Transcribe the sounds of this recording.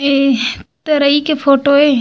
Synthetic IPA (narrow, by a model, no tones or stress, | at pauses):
et̪ɐɾɐikefʰoːʈoe